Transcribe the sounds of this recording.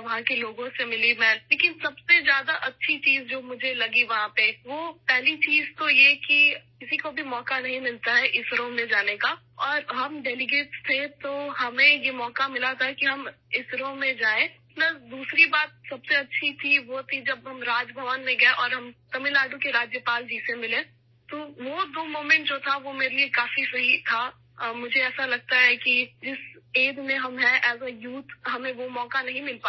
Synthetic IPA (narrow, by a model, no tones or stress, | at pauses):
ʋɐɦãkeloːɡõsemɪlimɛ̃ːleːkɪnsɐbsezjaːd̪aʔɐtːʃʰit͡ʃiːzd͡ʒoːmʊd͡ʒʱelɐɡiʋɐɦãpeʋoːpɛɦlit͡ʃiːzt̪ojekikɪsikobʱimɔːkanɐɦĩmɪlt̪aɦɛʔɪsɾõmẽd͡ʒaːneka | ɔːɾɦɐmɖɛːlɪɡeːʈst̪ʰet̪oɦɐmẽjemɔːkamɪlat̪ʰaɦkiɦɐm | ɪsɾõmẽd͡ʒaːẽːmɐt̪ləbd̪uːsɾibaːt̪̚sɐbseɐtːʃʰit̪ʰiʋot̪ʰid͡ʒɐbɦɐmɾaːd͡ʒbʱɐʋənmẽɡɐeʔɔːɾɦɐmt̪ɐmɪlaːɖũkeɾaːd͡ʒjəpaːld͡ʒiːsemɪlẽ | t̪oːʋod̪oːmoːmɛ̃ɳʈd͡ʒoːt̪ʰaʋomeːɾeliekaːfisɐɦit̪ʰa | mʊd͡ʒʱeɛːsalɐɡ̚t̪aɦɛkid͡ʒɪseːd̪mẽɦɐmɦɛʔɛːsajuːt̪ʰɦɐmẽʋomɔːkanɐɦĩmɪlpaː